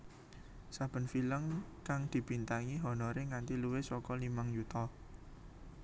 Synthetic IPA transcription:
sab̥ə̤nfiləŋkaŋd̪̥i̤bint̪aŋiɦɔnɔɾeŋant̪iluwesɔkɔlimaŋjut̪ɔ

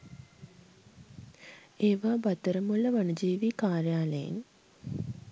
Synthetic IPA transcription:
eːʋaːbat̪əɾəmuləʋanud͡ʒiːʋiːkaːɾjaːləjḛn

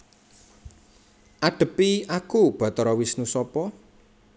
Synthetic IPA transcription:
ʔaɖ̥ə̤piakub̥ɔ̤t̪ɾɔwisnusɔpɔ

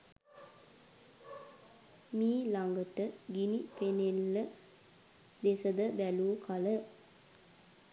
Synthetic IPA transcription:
miːlaŋɡətəɡinipenelːə | d̪esəd̪əbæluːkʰalə

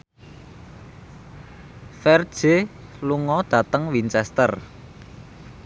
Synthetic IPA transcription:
fɛrd̥ʒ̥eluŋɔd̪̥ä̤t̪əŋwint͡ʃɛst̪ər

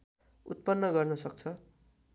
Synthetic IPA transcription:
ut̪̚pʌnːʌɡʌrnʌsʌk̚t͡sʰʌ

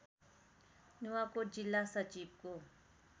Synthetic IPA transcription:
nuwakod͡ʒɪlːasət͡ʃiːb̚ko

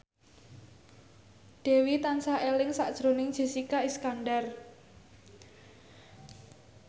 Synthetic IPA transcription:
d̥e̤wit̪ansaʔelɪŋsaʔd̥ʒ̥ɾonɪŋd̥ʒ̥i̤sikaiskanɖar

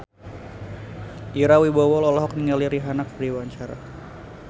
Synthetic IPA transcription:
ʔiɾawibawɔlɔlɔɦɔk̚niŋaliɾiɦanak̚daɾiwaɲt͡ʃaɾa̰

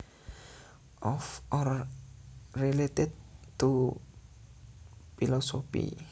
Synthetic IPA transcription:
ʔɔfɔra | rilet̪ɪd̪̚t̪u | filɔsopḭ

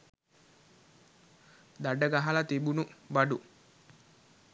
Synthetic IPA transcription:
d̪aɖəɡaɦalat̪ibunubɐɖu

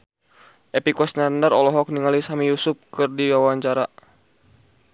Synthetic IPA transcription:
ʔepikɔsnandaɾɔlɔɦɔk̚niŋalisamijusʊp̚kɨrdiwawaɲt͡ʃaɾa

